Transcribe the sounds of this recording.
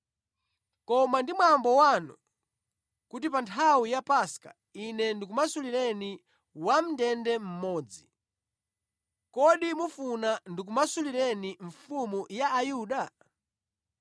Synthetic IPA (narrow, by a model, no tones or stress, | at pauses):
kɔmandimwambɔwanɔ̰ | kutipantʰawijapaska̰ | inɛndik̬umasuliɾɛni | wam̩dɛndɛm̩mɔːd͡zi | kɔɗimufunandik̬umasuliɾɛniɱ̩fumujaːjuːɗa